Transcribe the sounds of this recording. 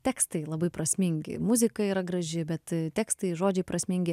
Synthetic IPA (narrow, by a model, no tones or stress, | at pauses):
t̪ʲæːkst̪ɐɪlˠɐbɐɪpɾɐsʲmʲɪŋʲɡʲɪ̰mʊzʲɪkɐiːɾɐɡɾɐʒʲɪbʲɛt̪t̪ʲæːkst̪ɐɪʒoːd͡ʒʲɛɪpɾɐsʲmʲɪŋʲɡʲɪ